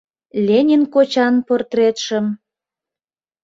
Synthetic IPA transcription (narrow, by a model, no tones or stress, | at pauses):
lʲenʲinkot͡ɕɑnport̪ret̪ʃə̆m